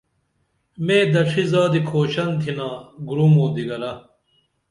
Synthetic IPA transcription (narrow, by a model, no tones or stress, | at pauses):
mẽːd̪ɐʂʰizaːd̪ikʰoːɕɐnt̪ʰinãːɡuɾumoːd̪iɡɐlɐ